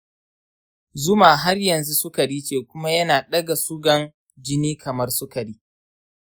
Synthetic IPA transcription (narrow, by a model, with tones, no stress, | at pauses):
zʊ˦maː˨ɦa˦rjɐ˨nzu˦sʊ˦ka˨ɽiː˦t͡ʃeː˨kʷʊ˦ma˦jɐ˦naː˨ɗɐ˦ɡa˨su˦ɡɐ˦n | d͡ʒɪ˦niː˦kʰɐ˨mɐ˦rsʊ˦ka˨ɽiː˦